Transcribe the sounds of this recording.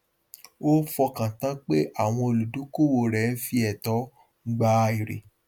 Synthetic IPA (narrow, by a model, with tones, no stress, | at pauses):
o˦fɔ˧kã˨tã˦k͡pe˦ʔa˦˨w̃ɔ̃˧o˨lu˨dũ˨˦ko˦˨wo˨ɾɛ˨n̩˦fi˧˦ɛ˨tɔ˨˦ | ɡ͡ba˦˧i˨ɾḛ˨